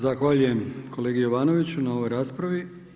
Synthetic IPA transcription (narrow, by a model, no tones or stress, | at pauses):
zaxʋaːʎuje̞mkʰo̞leɡijoʋaːno̞ʋit͡ɕunao̞ʋo̞jɾaːspɾaʋi